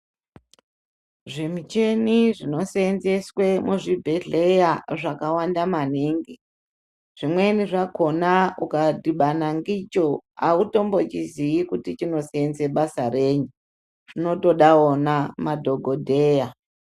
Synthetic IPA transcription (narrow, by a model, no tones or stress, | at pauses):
ʐemit͡ʃe̞niʐino̞seːnzeswe̞muʐibʱeɮe̞jaʐakawandamaniːŋɡi | ʐ̥imwe̞niʐako̞naukadiɓanaŋɡit͡ʃo̞auto̞mbo̞t͡ʃiziikutit͡ʃino̞seenzeɓasaɾeːɲu | ʐ̥ino̞to̞ɗaonamadʱo̞ɡʱodʱeːja